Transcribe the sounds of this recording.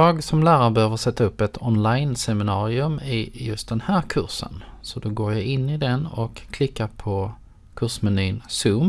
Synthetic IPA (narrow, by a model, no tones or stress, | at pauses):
jɑːɡsɔmlæːɾaɾbɛhøːvəɾʂɛt̪ːaɵpːɛt̪ʰɔnlajnsɛmɪnɑːɾɪɵmɪjɵst̪̚d̪ɛnhæːɾkʰɵ̰ɾʂə̰nsɔd̪ɔɡoːɾjaɪnːɪd̪ɛnɔkʰːlɪkːaɾpʰɔ | kʰɵʂmɛnyːnsɵm